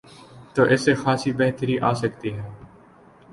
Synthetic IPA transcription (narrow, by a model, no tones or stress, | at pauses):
t̪oːʔɪsexaːsibɛɦt̪əɾiʔaːsəkt̪iɦɛː